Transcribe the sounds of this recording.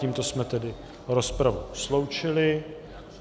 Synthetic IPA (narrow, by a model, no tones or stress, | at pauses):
iːmt̪o̞smɛt̪ɛdɪ | ɾospɾavuslo̞wt͡ʃɪlɪ